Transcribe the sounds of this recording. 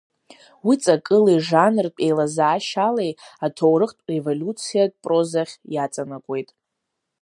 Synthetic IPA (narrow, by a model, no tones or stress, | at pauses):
wit͡sʼakʼɨliʐanrpʼe̞jlazaːʃalejatʰo̞wɾɨχtʼrevolʲut͡sʰijad̚pʼro̞zaχʲjat͡sʼanakʷʼe̞jtʼ